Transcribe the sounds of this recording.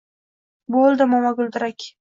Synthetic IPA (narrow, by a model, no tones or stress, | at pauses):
bolˠd̪ɪmɒmaɡʊlˠd̪ɪɾakʲ